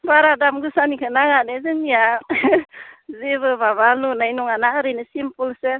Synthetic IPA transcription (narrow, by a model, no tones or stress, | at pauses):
baɾadamɡɯsanikʰɯnaŋanezɯŋːija | ziβɯbaβalunajnɔŋanaɾɯnɯsimpulsɯ